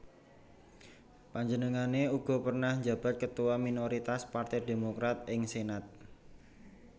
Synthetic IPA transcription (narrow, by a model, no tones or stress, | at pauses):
paɲd͡ʒənəŋaneuɡ̥ɔ̤pərnahɲd͡ʒab̥a̤t̪̚kət̪uwaminoɾit̪aspart̪ɛdemokɾat̪̚ɪŋsenat̪̚